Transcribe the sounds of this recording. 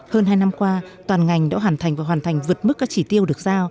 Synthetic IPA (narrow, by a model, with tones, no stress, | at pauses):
həː˧nɦaː˧jna˧mkwaː˧t̪waː˨˩nŋa˨˩jŋɗa̰˧˥ɦaː˨˩nt̪ʰjŋ̟vaː˨˩waː˨˩nt̪ʰa˨˩ŋ̟vɨ˨˩ət̚mɨ˦˥k̚kaː˦˥k̚t͡ɕi˧˩t̪i˧əwɗɨ˨˩ək̚zaː˧w